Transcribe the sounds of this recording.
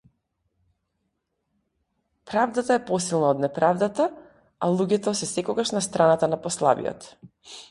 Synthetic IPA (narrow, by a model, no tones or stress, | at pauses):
pɾavd̪at̪aɛpɔsilˠnaɔd̪nɛpɾavd̪at̪a | alˠuɟɛt̪ɔsɛsɛkɔɡaʃnast̪ɾanat̪anapɔslˠa̰vḭjɔ̰t̪